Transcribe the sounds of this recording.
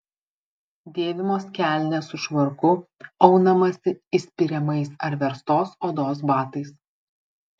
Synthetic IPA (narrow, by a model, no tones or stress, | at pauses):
d̪ʲeːʋʲɪmoːskʲæˑlʲnʲesʊʃʋɐɾkʊɐʊnɐmɐsʲɪɪsʲpʲɪɾʲɛmɐɪsɐɾʋʲɛɾst̪oːsoːd̪oːs̬bɑːt̪ɐɪs